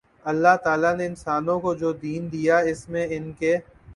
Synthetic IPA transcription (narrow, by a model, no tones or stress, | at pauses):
ɐlːaɦt̪aːlaneɪnsaːnõkod͡ʒoːd̪iːnd̪ijaɪsmẽɪnke